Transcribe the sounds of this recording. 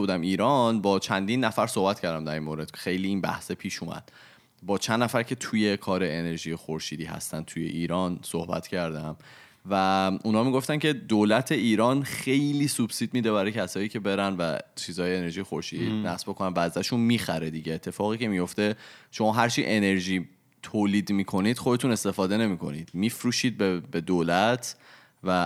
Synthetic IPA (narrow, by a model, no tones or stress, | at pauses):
uːd̪æmiːɾɒnbɒːt͡ʃʰænd̪inːæfæɾsohbæt̪cʰæɾd̪æmd̪æɾinmoːɾed̪̥xe̞jliːnbæ̰hsepʰiːʃuːmæ̰d̪̥ | bɒːt͡ʃʰænd̪ːnæfæɾcʰe̞t̪ʰuːje̞kʰɒːɾeene̞ɾʒijexoɾʃiːd̪iːɦæ̰st̪æn̚t̪ʰuje̞̰ʔiːɾɒnsohbæ̰t̪ʰcʰæɾd̪æm | væunhɒːmiɡo̞ft̪æncʰe̞d̪oːlæt̪ʰe̞iːɾɒːnxe̞jliːsub̥sid̪̚miːd̪ebæɾɒːjecʰæsɒːiːcʰe̞be̞ɾænvæ̰t͡ʃʰiːzɒːjeːneɾʒijexo̞ɾʃiːd̪inæ̰sbokʰonænvæːzæʃunmiːxæɾed̪iːɟeːt̪ʰːe̞fɒːɣiːcʰe̞mijo̞ft̪e̞ʃo̞mɒːɦæɾt͡ʃʰḭʔe̞ne̞ɾʒiː | t̪ʰoːliːd̪miːkʰo̞niːd̪̥xod̪e̞t̪ʰune̞st̪e̞fɒːd̪e̞ne̞miːkʰo̞̰nid̪̥miːfɾuːʃiːd̪̚bebe̞d̪oːlæt̪ʰ | væ